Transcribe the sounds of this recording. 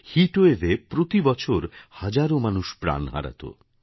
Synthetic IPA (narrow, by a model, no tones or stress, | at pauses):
hiʈoevepɾot̪ibɔt͡ɕʰoɾhad͡ʑaɾomanuʃpɾa̰nɦa̰ɾa̰t̪o̰